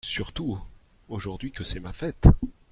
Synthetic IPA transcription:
syʁt̪u | oʒuʁd̪ɥikəsɛmafɛt̪

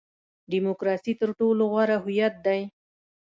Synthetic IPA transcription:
ɖimokɾɑsit̪əɾʈoloɣwaɾaɦʊjat̪̚d̪aj

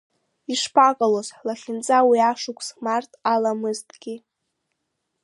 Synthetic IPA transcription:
iʂpʰakʼalozħlaχʲɪnt͡sʼawiaʂʊkʷʰʼsmartʰʼalamɨztʼɡ̥ʲi

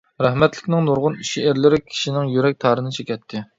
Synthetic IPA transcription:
ɾæhmɛt̪lɪ̥kʲnɪŋnuɾʁʊniʃiæɾlɪɾɪkʲʰi̥ʃinɪŋjyɾɛk̚ʲt̪ʰɑːɾɨnɨt͡ʃʰekʲɛt̪ʰːɪ

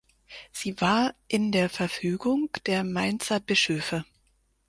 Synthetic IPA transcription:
z̥iːvaːɐʔɪndeːɐfɛɐfyːɡʊŋd̥eːɐmaɪnt͡sɐbɪʃøːfə

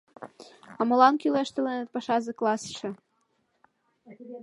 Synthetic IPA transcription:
ɑmɤ̆lɑnkyleʃt̪ĕlenĕt̪̚pɑʃɑzĕklˠɑsʃɤ̆

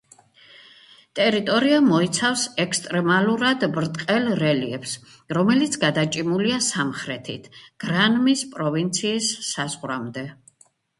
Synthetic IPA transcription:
t̪ʼɛɾit̪ʼɔɾiamɔit̪sʰafsɛkst̪ʼɾɛmaluɾad̪bɾt̪ʼqʼɛlɾɛliɛps | ɾɔmɛlit̪sʰɡad̪at͡ʃʼimuliasamχɾɛt̪ʰḭt̪ʰɡ̥ɾanmispʼɾɔvint̪sʰiːsːazʁɾamd̪ɛ

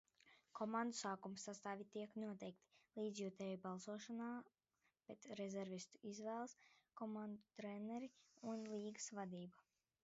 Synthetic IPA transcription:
kʰɔmand̪usaːkumsːast̪aːvʲit̪iɛknuɔt̪ɛjk̚t̪i̥lˠiːd̪zʲjut̪ɛjbalˠsuɔʃanaː | pʲɛt̪ɾɛzʲɛɾvʲist̪uizvɛːlˠskɔmand̪ut̪ɾɛnɛɾiunlˠiːɡɨsvad̪iːba

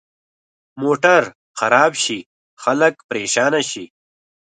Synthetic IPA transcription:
moːʈɐɾ | xɐɾaːbʃi | xɐləkpɾeːʃaːnaɕi

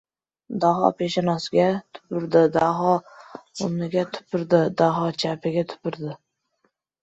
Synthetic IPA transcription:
d̪aɦɒ̰pʰeʃanɒsɪɡʲat̪ʰʊ̥pɪɾd̪ɪd̪aɦɒʊnɪɡʲat̪ʰʊ̥pʰɪɾd̪ɪd̪aɦɒt͡ʃʰapʰɪɡʲat̪ʰʊ̥pɪɾd̪ɪ

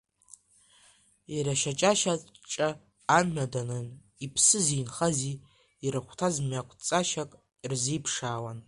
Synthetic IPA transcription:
iɾaʃat͡ʃʼaʃat͡ʃʼaː | mħadanɨn | ipʰsɨzinχaziː | ɾaχʷtʰazmɥakʷʰʼt͡sʼaʃakʼ | irzipʰʂaːwan

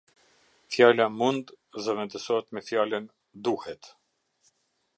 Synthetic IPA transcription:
fjalamund̪ | zɛvɛnd̪əsɔɛt̪mɛfjalən | d̪uhɛt̪

